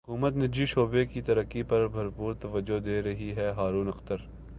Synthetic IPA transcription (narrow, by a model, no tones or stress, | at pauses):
ɦʊkuːmət̪nɪd͡ʒiʃoːbekit̪ɐɾəkːipɐɾbʱɐɾpuːɾt̪ɐʋəd͡ʒːod̪eːɾɐɦiɦɛɦaːɾuːnɐxt̪əɾ